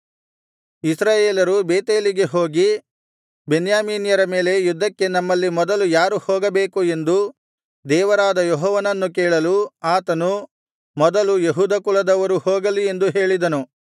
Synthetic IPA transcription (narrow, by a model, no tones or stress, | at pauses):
isɾaːjeːlɐɾubeːt̪eːliɡe̞ɦo̞ːɡi | benjaːmiːnjɐɾɐme̞ːle̞jud̪ːɐkːe̞nɐmːɐlːimɔd̪ɐlujaːɾuhoːɡɐbeːkue̞nd̪u | d̪ɛːʋɐɾaːd̪ɐjɔɦɔːʋɐnɐnːuk̬eːɭɐluaːt̪ɐnu | mɔd̪ɐlujeɦuːd̪ɐkuɭɐd̪ɐʋɐɾuhoːɡɐlie̞nd̪uɦe̞ːɭid̪ɐnu